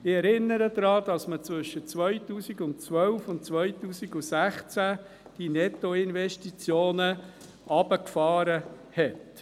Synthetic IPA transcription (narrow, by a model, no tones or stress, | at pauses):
ɪɛɾɪnːəɾəd̪ɾɑːd̥ɑsmət͡sʋʏʃːət͡sʋœʏtuːsiɡʊntt͡sʋœwfʊntt͡sʋœjtuːsiɡusæχt͡sæ | d̥inɛt̪ːoɪnvɛʃtit͡sjoːnə | ʔɑb̥əkfɑːɾə | hɛt